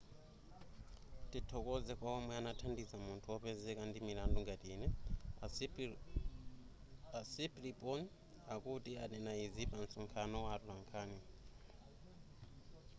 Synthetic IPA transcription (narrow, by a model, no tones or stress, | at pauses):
titʰɔkɔzɛkwaɔmwɛanatʰandizamuntʰuɔpɛzɛkandimilandɔŋɡatiːnɛ | asiplipʼɔn | akutianɛnaizipan̩suŋkʰanɔwatulaŋkʰaːni